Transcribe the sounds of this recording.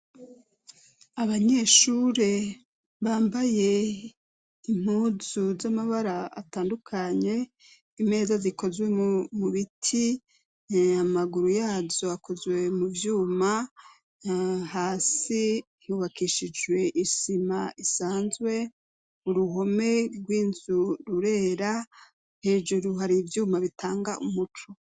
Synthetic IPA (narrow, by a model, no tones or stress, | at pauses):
aβaɲe̞ʃuɾe̞ | βaːmbaje̞ | im̥uːzuzamaβaɾa̰ːtaːndukʰaɲe̞ | ime̞ːzaziko̞zwe̞muβitʰi | amaɡuɾujaːzo̞ako̞zwe̞muvjuːma | haːsi | huβakiʃid͡ʒwe̞ʔiʃimaʔisaːnzɡwe̞ | uɾuɦo̞me̞ɡwiːnz̥uɾuɾe̞ːɾa | he̞ːd͡ʒuɾuhaɾivjuːmaβitaːŋɡaʔumut͡ʃu